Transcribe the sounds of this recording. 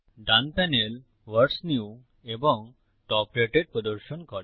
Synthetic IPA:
ɖanpɛnel | ʋəɾsniu | ebɔŋ | ʈɔpɾeʈeɖ̚pɾɔd̪ɔɾʃonkɔɾe

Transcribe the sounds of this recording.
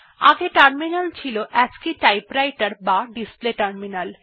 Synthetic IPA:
a̰ɡeʈaɾminalt͡ɕʰiloʔad͡ʑkiʈajpɾajʈaɾbaɖispleʈaɾminal

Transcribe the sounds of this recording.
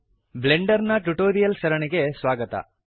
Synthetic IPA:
bleɳɖɐɾnɐʈuʈoːɾijɐlʃɐɾɐɳiɡesʋaːɡɐt̪ɐ̰

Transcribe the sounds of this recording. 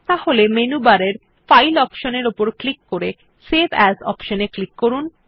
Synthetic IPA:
t̪aholemenubaɾeɾ | fajlɔpʃoneɾopoɾklikːoɾe | sebʱɛzɔ̰pʃoneklikːoɾun

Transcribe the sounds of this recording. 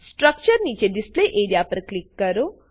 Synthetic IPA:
sʈɾɐk̚t͡ʃəɾnit͡ʃeɖispleʔeːɾijapɐɾklikːɐɾu

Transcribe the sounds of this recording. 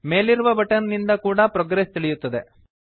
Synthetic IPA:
me̞ːliɾuʋɐbɐʈɐnnind̪ɐkuːɽɐpɾoːɡɾest̪iɭijut̪ːɐd̪e̞

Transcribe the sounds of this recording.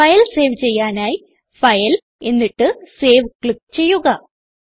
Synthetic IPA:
ɐjɐlse̞ːʋt͡ɕe̞jːaːnaːji | fɐjɐl | e̞nːiʈːɨse̞ːʋkɭikːt͡ɕe̞jːuɣɐ

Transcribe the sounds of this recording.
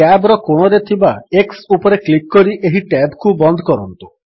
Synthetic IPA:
abɾɔkoɽ̃ɔɾet̪ʰibaeksupɔɾeklikːɔɾiʔeɦiʈɛbkubɔnd̪ʱɔkɔɾɔnt̪u̥

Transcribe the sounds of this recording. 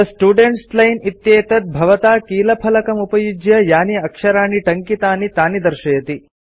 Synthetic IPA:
ɐsʈuːɖeɳʈslɐjnit̪jeːt̪ɐt̪̚bʱɐʋɐt̪aːkiːlɐpʰɐlɐkɐmupɐjud͡ʒjɐjaːniɐkʂɐɾaːniʈɐŋkit̪aːnit̪aːnid̪ɐɾʃɐjɐt̪i

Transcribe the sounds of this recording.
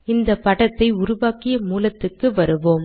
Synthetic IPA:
ɪnd̪ɐpɐɽɐt̪ːɐɪʊɾʊʋaːkɪjɐmuːlɐt̪ːɯkːɯʋɐɾɯʋoːm

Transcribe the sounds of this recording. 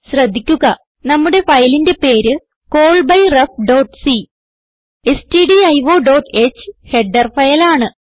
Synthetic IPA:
ɕrɐd̪ʱːikʲːuɣɐ | nɐmːuɽe̞fɐjlinde̞pe̞ːɾɨ | ko̞ːɭbɐjrɐfɖo̞ːʈːsi | esʈiɖiɐjʋo̞ːɖo̞ːʈːe̞t͡ɕːɨ̥he̞ɖɐrfɐjɐlaːɳɨ

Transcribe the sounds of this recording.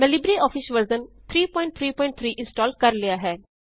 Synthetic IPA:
mɛlibɾiɔːfʰɪsʋəɾzənt̪ʰɾiːpɔːɪ̃ɳʈ̚t̪ʰɾiːpɔ̃ːɪ̃ɳʈ̚t̪ʰɾiːʔɪ̃nsʈɔːlɖkəɾlɪjaɦɛː

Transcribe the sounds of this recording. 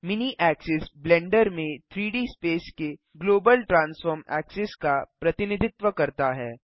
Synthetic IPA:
mɪniʔɛːksɪsblɛ̃ːɳɖəɾmẽt̪ʰɾiːɖiːspeːske | ɡloːbəlʈɾãːnsfəːɾmɛ̰ːksɪskapɾɐt̪ɪnɪd̪ʱɪt̪ʋəkɐɾt̪aɦɛː

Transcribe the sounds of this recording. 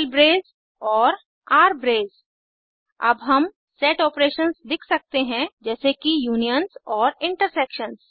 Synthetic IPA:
lbɾeːz | ɔːɾ | aːɾbɾeːz | ɐ̰bɦɐm | seːʈɔːpɾeːʃənzd̪ɪkʰsɐk̚t̪eɦɛ̃d͡ʒɛːsekijuːnijənzɔːɾɪ̃ɳʈəɾseːkʃənz

